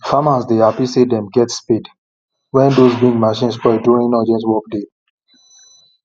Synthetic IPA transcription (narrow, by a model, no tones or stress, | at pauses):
famasdeapisedɛ̃mɡɛtspid | wɛ̃ndozbĩŋmaʃĩnspɔɪdjuɹĩŋɔdiɛ̃nswɔk̚de